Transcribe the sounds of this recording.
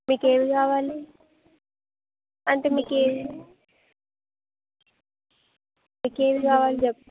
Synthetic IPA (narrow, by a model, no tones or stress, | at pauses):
miːkeːʋikaːʋaːli | ɐɳʈeːmiːkeːʋi | miːkeːʋikaːʋaːlid͡ʒɛp̚